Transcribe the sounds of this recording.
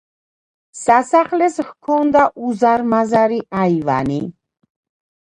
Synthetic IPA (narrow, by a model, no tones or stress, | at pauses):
sasaχlɛshkʰɔnd̪aʔuzaɾmazaɾiaiva̰ni